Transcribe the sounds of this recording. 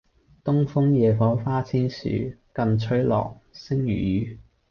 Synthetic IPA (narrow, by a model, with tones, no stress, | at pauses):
t̪ʊ˥ŋfʊ˥ŋjɛː˨fɔː˨˥faː˥t͡sʰiː˥nsy̰ː˨˥kɐ˧nt͡ʃʰɵ˨˥ɥlɔ̰ː˨˩k̚sɪ˥ŋjy̰ː˨˩jyː˨˩